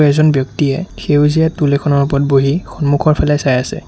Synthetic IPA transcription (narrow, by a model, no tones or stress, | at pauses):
ɛzɔnbjɔktiɛxewzijatulɛkʰɔnɔɹup̬ɔt̚boɦixɔnmukʰɔɹpʰalɛsajasɛ̰